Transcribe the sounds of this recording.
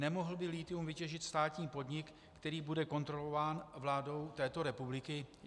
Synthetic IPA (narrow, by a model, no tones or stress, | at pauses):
nɛmo̞ɦl̩bɪliːt̪ɪumvɪcɛʒɪt̪st̪aːt̪ɲiːpo̞dɲɪkːt̪ɛɾiːbudɛko̞nt̪ɾo̞lo̞vaːnvlaːdo̞wt̪ɛːt̪o̞ɾɛpublɪkɪ